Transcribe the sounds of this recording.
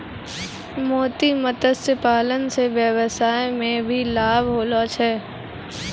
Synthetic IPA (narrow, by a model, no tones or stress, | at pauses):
moːt̪imət̪əsəpaːlənseʋjəwəsaːjmẽbʱilaːbʱɦoːloːt͡ʃʰɛː